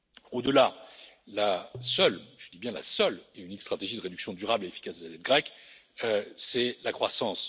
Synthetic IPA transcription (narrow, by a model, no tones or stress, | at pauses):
od̪əlalasœlʒ̥əd̪ibjɛ̃la̰sœleynikst̪χat̪eʒid̪əʁed̪yksjɔ̃d̪yʁableefi̥kasd̪əlazɛt̪̚ɡʁɛk | sɛlakχwasɑ̃s